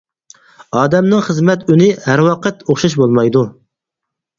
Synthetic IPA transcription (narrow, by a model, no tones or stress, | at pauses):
ɑːd̪ɛmnɨŋχəzmɛt̪ynɪhæɾwɑqʰət̪oχʃɑʃ̬bolˠmɑjd̪u